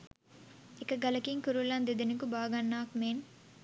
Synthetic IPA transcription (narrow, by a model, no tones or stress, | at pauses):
ikɐɡɐlɐkiŋkuɾulɐnd̪id̪inikubaːɡɐnːaːkmeːn